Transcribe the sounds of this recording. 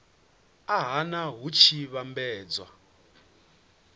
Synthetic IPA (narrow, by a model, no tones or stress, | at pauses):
aɦanaɦut͡ʃʰiβambɛːd͡zwa̰